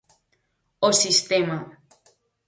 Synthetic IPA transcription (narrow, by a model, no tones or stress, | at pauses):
osist̪ema